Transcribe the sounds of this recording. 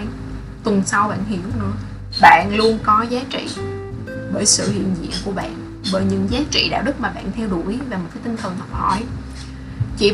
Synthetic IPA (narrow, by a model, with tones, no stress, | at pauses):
t̪wə˨˩nsa˧wɓa̰ː˧˨nhi˧˩əwnɨ̰˧˥ə | ɓa̰ː˧˨nlu˧ənkɔ˨˦zaː˨˦t͡ɕḭ˧˨ | ɓəː˧˩jsɨ̰˧˨hḭ˧˨ənzḭ˧˨ənku˧˩əɓa̰ː˧˨n | ɓəː˧˨˩jɲɨ̰˧˥ŋzaː˨˦t͡ɕḭ˧˨ɗa̰ː˧˨wɗɨ˦˥k̚maː˨˩ɓa̰ː˧˨nt̪ʰɛ˧wɗu˧˩əjvaː˨˩mo˨˩t̚kaː˨˦jt̪ï˧ŋ̟t̪ʰə˨˩nt̪ʰə˨˩p̚hɔ̰˧˩j | t͡ɕḭ˧˨